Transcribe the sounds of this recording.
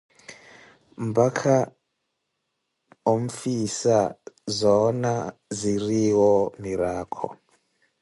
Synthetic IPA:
mbakʰa | oɱ̩fisazɔnaziriwɔmiɾaːkʰɔ̰

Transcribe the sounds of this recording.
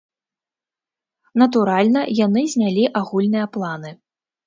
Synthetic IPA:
nɐt̪uɾalʲnɐjanɨzʲnʲalʲiʔaɣulʲnɨjɐplˠanɨ

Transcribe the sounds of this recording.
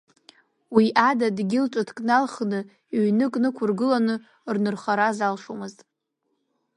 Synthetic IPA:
wiʔadadɡʲɪlʈ͡ʂʷʼadʰkʼnalχnɨ | iɥnɨkʼnɨkʷʰʊrɡɨlanɨ | rnɨrχaɾazalʂomɨztʼ

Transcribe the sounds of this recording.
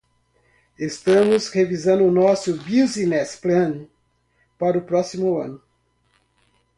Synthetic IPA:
est̪ɐ̃mʊshevizɐ̃nd̪ʊːnɔsʊbizinɛsplɐ̃n | paɾʊpɾɔsimʊɐ̰̃nʊ

